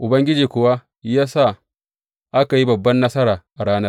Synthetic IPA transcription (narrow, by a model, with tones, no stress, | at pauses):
ʔʊ˨bɐ˦ŋɡʲɪ˦d͡ʒiː˨kʷʊ˨wa˦ | jaː˦sa˦˨ | ʔa˦ka˨ji˦bɐ˨bːɐ˦nːɐ˦sɐ˦ɾaː˨ʔa˨ɽaː˦nɐ˦r